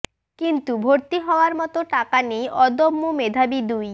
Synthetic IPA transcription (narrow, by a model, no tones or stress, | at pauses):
kint̪ubʱoɾt̪iɦɔoaɾmɔt̪oʈakanejʔɔd̪omːomed̪ʱabid̪uj